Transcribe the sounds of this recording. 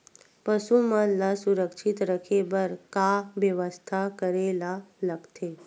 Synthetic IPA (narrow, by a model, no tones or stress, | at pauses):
pəʃumanlasuɾəkʃit̪ɾəkʰebəɾkaʋjəʋəst̪ʰakəɾelaləɡt̪ʰe